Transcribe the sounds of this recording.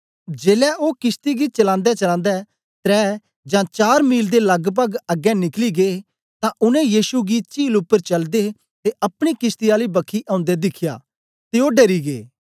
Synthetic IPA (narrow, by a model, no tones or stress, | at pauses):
d͡ʒeːlɛʔoːkɪst̪iɡit͡ʃɐlãːnd̪ɛt͡ʃɐlãːnd̪ɛ | t̪ɾɛː | d͡ʒãt͡ʃaːɾmiːld̪elɐɡbəɡɐɡɛnɪkliɡe | t̪ãʔʊnɛ̃jiːsuɡit͡ʃiːlʊpːəɾt͡ʃɐld̪e | t̪eʔɐpɽ̃ikɪst̪iaːlibɐkʰːiʔãːʊ̃nd̪ɛd̪ɪkʰɪja̰ː | t̪eoɖeːɾiɡḛː